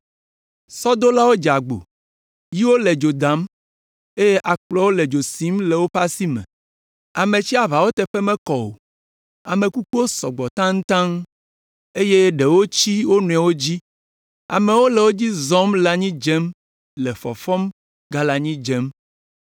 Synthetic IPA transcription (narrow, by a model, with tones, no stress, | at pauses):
sɔ˦d̪o˦la˦wo˦d͡ʒa˨ɡ͡bo̰˨ | ji˦wo˦le˨d͡ʒo˨d̪a˨˦m | e˦je˦ʔa˨k͡plɔ˦wo˦le˨d͡ʒo˨si˦mle˨wo˦ɸa˦si˦mɛ̰̃˨ | a˨mẽ˨t͡ɕi˦a˨βa˨wo˦t̪ɛ˦ɸɛ˦mɛ̃˦kɔ˨o̰˨ | a˨mẽ˨ku˦k͡pu˦o˦sɔ˨ɡ͡bɔ˨t̪ã˦ŋ̩̃˦t̪ã˦ŋ | e˦je˦ɖe˨wo˦t͡ɕi˦wo˦nũ˨a˨wo˦d͡ʑi˦ | a̰˨me˨wo˦lɛ˨wo˦d͡ʑi˦zɔ˨˦mla˨ɲĩ˦d͡ʒe˦m | lɛ˨fɔ̰˨fɔ˦m | ɡa˦la˨ɲĩ˦d͡ʒɛ˦m